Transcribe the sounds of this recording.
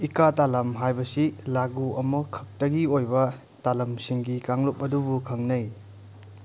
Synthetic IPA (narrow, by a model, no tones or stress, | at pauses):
ikatalɐmɦajbɐsilaɡuɐmɐkʰɐk̚tɐɡiojbɐ | talɐmsiŋɡikaŋlup̚ɐdubukʰɐŋnɐj